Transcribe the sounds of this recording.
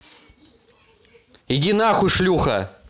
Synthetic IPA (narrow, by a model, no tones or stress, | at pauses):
idʲinaxʊʂlʲuxɐ̰